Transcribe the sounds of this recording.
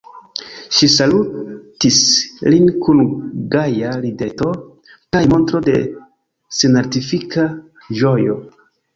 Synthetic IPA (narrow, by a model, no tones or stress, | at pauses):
ʃisalutislinkunɡajalide̞to̞ | kajmo̞ntɾo̞de̞̰ | sinaɾtifikʰa | d͡ʒo̞jo̞